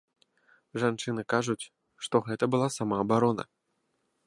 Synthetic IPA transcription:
ʐant͡ʂɨnɨkaʐut͡sʲ | ʂt̪ɔɣɛt̪ɐbɨlˠasamaːbaɾɔnɐ̰

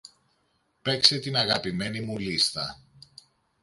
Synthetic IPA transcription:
pe̞kse̞t̪inɐɣɐpime̞nimulist̪ɐ

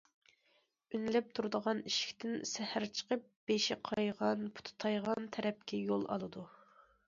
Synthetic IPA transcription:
ynlɛp̚t̪ʰuɾɨd̪əʁɑniʃi̥kʲt̪ʰɪnsæhæɾt͡ʃʰə̥qəp̚b̥eʃɪqʰɑjʁɑnpʰu̥t̪ʰʊ̥t̪ʰɑjʁɑnt̪ʰɛɾɛp̚kʲɛjolˠɑ̰lˠɨd̪u

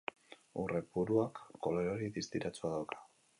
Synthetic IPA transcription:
ṵre̞puɾuakːo̞loeoɾiðist̪iɾat͡suaðawkʰḁ

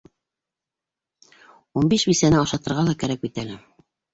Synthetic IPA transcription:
unbiʃbisænɘɑʃɑt̪ɤ̆ɾʁɑlˠɑkæɾækit̪ælæ

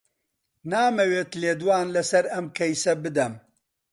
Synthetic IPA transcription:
naːmɐweːt̪leːd̪waːnlɐsɐɾɐmkʰɐjsɐbɨd̪ɐm

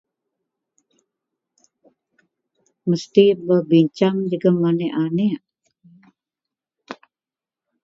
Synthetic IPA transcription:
məst̪ibəbiɲt͡ʃaŋd͡ʒuɡamanɛʔane

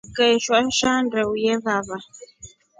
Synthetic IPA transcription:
kɛʃwaʃandɛujɛβaβa

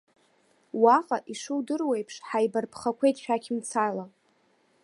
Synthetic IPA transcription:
waqʼaʔiʂɨwdɨrwejpʰʂħajbarpʰχakʷʰejtʼʃᶣakʲʰimt͡sʰala

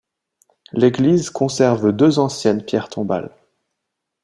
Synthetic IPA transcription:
leɡlizkʰɔ̃sɛʁvd̪øzɑ̃sjɛnpjɛʁt̪ʰɔ̃ba̰l

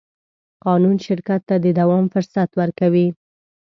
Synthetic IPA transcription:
qɑnunʃɪɾkat̪ːad̪əd̪awɑmfʊɾsat̪wəɾkawi

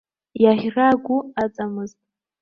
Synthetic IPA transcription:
jaʁʲraɡʷuat͡sʼamɨztʼ

